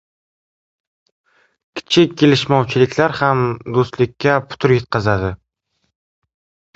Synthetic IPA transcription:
kʲʰɪ̥t͡ʃʰɪkʲʰːelɪʃmɒwt͡ʃʰɪlɪkʲlaɾhamd̪ost̪lɪkʲʰːapʰʊ̥t̪ʰʊɾjet̪̚qɨzad̪ɪ

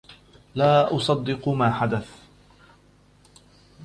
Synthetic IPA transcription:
laːʔʊsˤɑd̪ːɪqmaːħad̪aθ

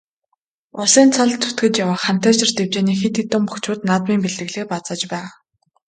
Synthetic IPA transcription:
ʊsiːnt͡sʰaɮt̪ʰːu̥t̪ɡɘ̆t͡ɕjawaːχam̥t̪æːt͡ɕɪ̆rt̪ew̥t͡ɕeːniːxet̪it̪ːʊmpɵxt͡ɕʊːt̪nat̪miːmpeɮɘ̆ɣɮeːpat͡sə̆t͡ɕpæːʁ

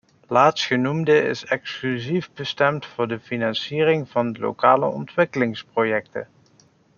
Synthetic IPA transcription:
laːtstxənumdəɪ̰sɛksklyzivbəstɛmtfʊːɹdəfinɑnsiːrɪŋv̥ɑndəlo̰kaːlə̰ɔ̰ntʋɪkəlɪŋsprojɛktə̰

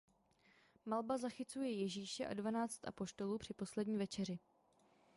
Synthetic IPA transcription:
malbazaxɪt͡sujɛjɛʒiːʃɛʔa̰dvanaːt͡st̪ʔa̰po̞ʃt̪o̞luːpr̝̥ɪpo̞slɛdɲiːvɛt͡ʃɛr̝ɪ

